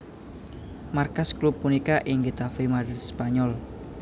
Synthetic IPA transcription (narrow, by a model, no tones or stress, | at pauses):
markasklupːunikaʔɪŋɡit̪afimadispaɲɔl